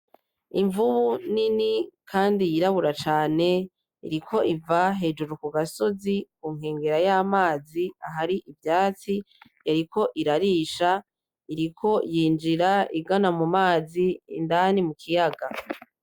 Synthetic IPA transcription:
iɱvuβuninikʰaːndijiɾaβuɾat͡ʃaːne̞ | ḭɾikʰo̞ʔivaɦe̞ːd͡ʒuɾukuɡaso̞zikuŋ̥heːŋɡe̞ɾajaːmaːziaɦaɾiʔivjaːt͡si | jaɾiko̞ʔiɾaɾiːʃa | iɾikʰo̞jiːnd͡ʒiɾaiɡanamumaːzḭndanimukʰijaɡa

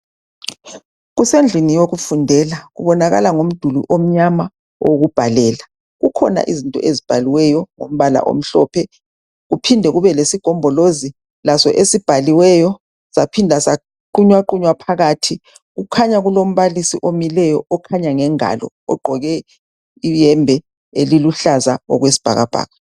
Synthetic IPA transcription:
ɣusend͡ɮʱinijoɣufundʱɛlaɣṵβɔnaɣa̰laŋom̩d̥ʱulṵʔom̩ɲama | wʔo̰ɣub̥ʱalɛːla | ɣukʰɔna̰ʔizintʼɔ̰ʔezib̥ʱaliwɛjɔŋom̩βala̰ʔo̰m̩ɬɔːpʰɛ | ɣupʰindʱɛɣuβɛlesiɡ̥ʱɔmbʱɔlozi | lasɔʔesib̥ʱaliwɛjɔ | z̥apʰindʱasa | ǃuɲwaǃuɲwapʰaɣaːtʰi | ɣukʰaɲaɣulom̩βalisiʔomilɛjɔʔɔkʰaɲaŋɛŋa̰lɔ̰ | ɔɡ͡ǃʱɔɣɛ | ijɛmbʱɛ | eliluɬazaɔ̰ɣwesi̥b̥ʱa̰ɣab̥ʱa̰ːɣa

